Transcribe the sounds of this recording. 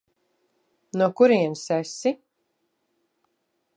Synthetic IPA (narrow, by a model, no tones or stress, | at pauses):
nuɔkuɾiɛnsɛsi